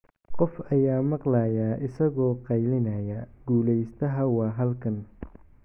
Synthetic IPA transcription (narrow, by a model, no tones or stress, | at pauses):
qɔfɐjaːmɑqlaːjaːʔɪsɐɣɔːqɑjlɪnɐjɐɡ̥uːlɛjst̪ʰɐɦɐwɑːɦɐlkʰɐn